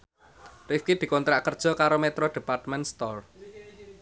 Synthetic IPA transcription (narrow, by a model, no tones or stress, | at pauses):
rifkid̪̥i̤kɔnt̪ɾaʔkərd̥ʒ̥ɔ̤kaɾomɛt̪ɾoɖ̪̥e̤part̪mɛnst̪ɔr